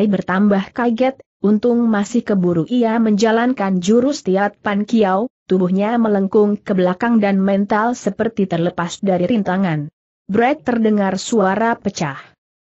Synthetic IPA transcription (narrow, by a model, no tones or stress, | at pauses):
ibərt̪ambahkaɡɛt̪̚ | unt̪ʊŋ̚masɪhkəbuɾuʔiaməɲd͡ʒalankand͡ʒuɾust̪iat̪̚pankiawt̪ubuhɲamələŋkʊŋkəblakaŋdanmɛnt̪alsəpərt̪it̪ərləpasdaɾiɾint̪aŋan | bɾɛt̪̚ːərdəŋarsuaaɾapət͡ʃah